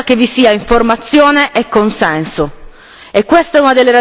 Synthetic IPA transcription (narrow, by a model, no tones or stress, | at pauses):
kevisiːaiɱformat̪sːjoːneʔekːonsɛnso | ekːwest̪aɛunad̪elːeɾa